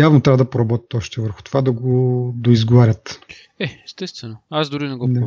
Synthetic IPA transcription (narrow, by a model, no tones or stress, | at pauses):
javnot̪ɾʲavəd̪ɐpoɾɐbɔt̪ʲə̥t̪ɔʃt̪ɛvəɾxʊ̥t̪ovad̪ɐɡod̪oizɡovaɾʲət̪ | ɛɛst̪ɛst̪vɛnoazd̪ʊɾinɛɡɔnɛ